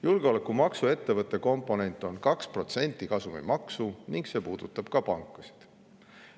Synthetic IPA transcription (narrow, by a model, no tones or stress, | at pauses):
julɡ̥eo̞le̞kːˑumɑksue̞t̪ːe̞vɤt̪ːˑe̞ko̞mpːˑo̞ne̞nʲt̪ˑːo̞nkɑkspro̞t̪se̞nʲt̪ːˑikɑsumḭmɑksuniŋɡ̥se̞ːpuːd̪̥ut̪ːˑɑb̥kɑpɑŋkːˑusi̥d̪̥